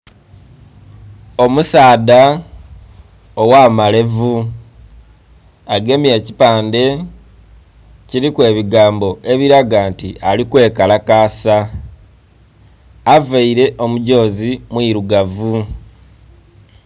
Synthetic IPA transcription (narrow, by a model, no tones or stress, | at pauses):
o̞musaːda | owaːmale̞vu | aɡe̞mje̞ːci̥paːnde̞ | ciɾikwe̞ːβiɡaːmbo̞e̞βiɾaɡaːntiʔalikwe̞ːkalakaːsa | vaiɾe̞ʔo̞muɟo̞ːzimwiːɾuɡavu